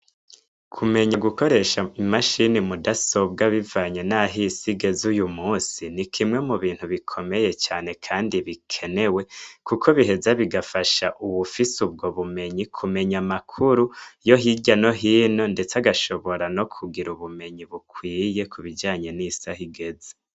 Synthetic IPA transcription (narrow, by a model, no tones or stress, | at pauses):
kʰume̞ɲaɡuko̞ɾe̞ʃaimaʃinimudaso̞bɡaβivaːɲe̞naɦisiɡe̞zujumuːsinikʰimŋe̞muβiːn̥huβikʰo̞me̞je̞t͡ʃaːne̞kʰaːndiβikʰe̞ne̞we̞kukʰo̞βiɦe̞zaβiɡafaʃaʔuβufisub̚ɡo̞βume̞ɲikʰume̞ɲamakʰuɾujoɦiɟano̞ɦiːno̞nde̞t͡saɡaʃo̞βo̞ɾano̞kʰuɡiɾuβume̞ɲiβukwiːje̞kʰuβid͡ʒaːɲe̞nisahiɡe̞ze